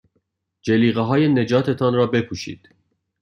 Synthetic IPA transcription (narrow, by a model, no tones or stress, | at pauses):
d͡ʒeliːɣeɦɒːjene̞d͡ʒɒːt̪ʰe̞t̪ʰɒnɾɒːbe̞pʰuːʃḭːd̪̥